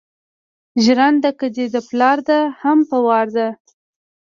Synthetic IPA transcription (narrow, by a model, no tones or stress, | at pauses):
ʒɾand̪əkəd̪ed̪əplɑɾd̪ahampəwɑɾd̪a